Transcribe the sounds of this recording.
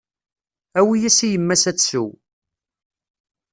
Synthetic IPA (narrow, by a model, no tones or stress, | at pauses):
æwijæsijəmːæsæt͡sːsu